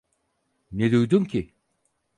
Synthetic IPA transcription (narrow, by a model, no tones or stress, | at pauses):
ned̪ujd̪umcʰi